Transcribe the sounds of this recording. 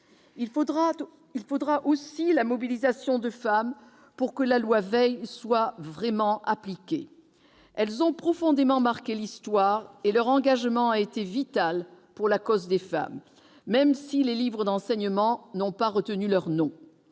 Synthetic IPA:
ilfod̪ʁaʔosilamɔbilizasjɔ̃d̪əfam | puʁkəlalwavɛjswavʁɛmɑ̃ʔaplikʲḛ | ɛlzɔ̃pχɔfɔ̃d̪emɑ̃maʁkelist̪waʁelœʁɑ̃ɡaʒmɑ̃aet̪evit̪al | puʁlakɔzd̪efa̰mː | ɛmsilelivʁəd̪ɑ̃sɛɲəmɑ̃nɔ̃paʁət̪ənylœʁnɔ̃

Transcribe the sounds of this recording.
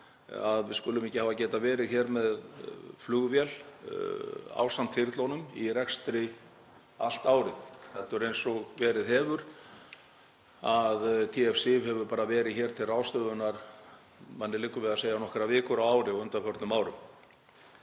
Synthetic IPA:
a̰ðvɪðskʏlʏmɛhcɪhaːvacɛːt̪avɛːɾɪðçɛːɾmɛðflʏɣvjɛl | a̰ːwsamt̪ʰɪɾt̪lownʏmḭrɛkst̪ɾɪ | a̰l̥t̪aːwɾɪθθɛt̪œɾejnsɔɣvɛːɾɪðɦɛːvʏɾ̥ | aðt̪ʰiɛfsɪvhɛvʏɾpaːɾavɛːɾɪðçɛːɾ̥t̪ʰɪlrawst̪œðʏnaɾ̥ | manːɪlɪkːʏvɪðaseːjanɔhkɛɾavɪːkʏɾawaːwɾɪawʏnt̪afœɾt̪nʏmaːwɾʏm

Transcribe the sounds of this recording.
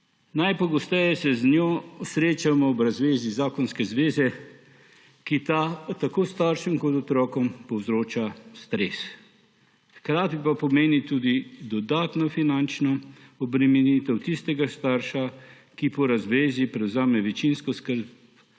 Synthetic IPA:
najpɔɡɔst̪ɛjɛsɛznjoːsɾeːt͡ʃamɔɔbɾazʋeːzizaːkɔnskɛzʋeːzɛ | kit̪at̪akoːst̪aːɾʃɛmkɔt̪ɔt̪ɾɔːkɔmpɔwzɾoːt͡ʃast̪ɾes | xkɾaːt̪ipapɔmeːnit̪uːd̪id̪ɔd̪aːt̪nɔfinant͡ʃnɔɔbɾɛmɛnit̪ɛwt̪ist̪ɛɡast̪aːɾʃa | kipɔɾazʋeːzipɾɛwzaːmɛʋɛt͡ʃinskɔskəɾb̚

